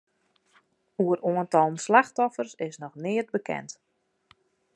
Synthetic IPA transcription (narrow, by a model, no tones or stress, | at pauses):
uəɾoəntɔlˠən̩slaxtɔfərsɪsnɔxnɪət̚bəkʰɛ̰nt